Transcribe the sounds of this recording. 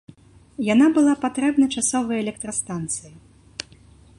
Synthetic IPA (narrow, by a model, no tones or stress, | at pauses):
janabɨlˠapat̪ɾɛbnɐt͡ʂasɔvɐjɐɛlʲɛk̚t̪ɾɐst̪ant̪sɨji